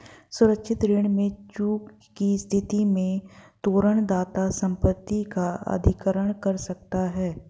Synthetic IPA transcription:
sʊɾəkʃʰɪt̪ɾɪːɳmẽt͡ʃuːkː | ist̪ʰɪt̪imẽt̪oːɾəɳ̃d̪aːt̪asə̃mpət̪ːikaɐ̰d̪ʱɪkəɾəɽ̃kəɾsɐk̚t̪aɦɛː

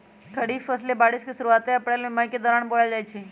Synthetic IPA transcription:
k̪ʰəɽiːfːəslebaːɽɪskisʊɾuaːt̪eəpɽeːlmẽmaked̪ɔːɾaːɳboljad͡ʒaːjt͡ʃʰeː

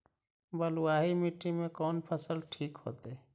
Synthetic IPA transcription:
bəlʊwaːɦimɪʈːimẽkɔːnpʰəsəlʈʰiːkɦo̰ːt̪e

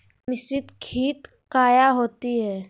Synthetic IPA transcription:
mɪsɾɪt̪kʰiːt̪ | kaːjaɦoːt̪iɦɛː

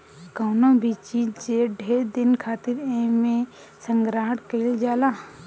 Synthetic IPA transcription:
kəːnõbʱit͡ʃiːt͡ʃeɾɖʱeːɾd̪ɪnkʰaːt̪ɪɾẽmẽ | sə̃ŋɡɾaːʈkeld͡ʒaːla

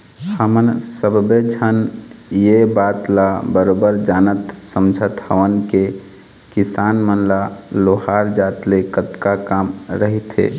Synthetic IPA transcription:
həmənsəbbed͡ʒʱən | jebaːt̪labəɾobəɾd͡ʒaːnət̪səmd͡ʒʱət̪həʋənke | kisanmənlaloɦaɾd͡ʒaːt̪lekət̪kakamɾəɦit̪ɦḛ

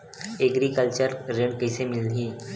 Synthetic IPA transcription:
eɡɾikəlt͡ɕəɾɾeɳkəjsemɪlɦiː

